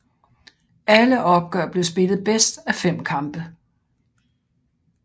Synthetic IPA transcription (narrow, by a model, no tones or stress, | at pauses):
ʔæləʔɒ̽b̥̚ɡ̥œɐ̰b̥le̝ʊsb̥e̝lð̩ˠb̥esd̥æfem̰kʰɑ̈mb̥ə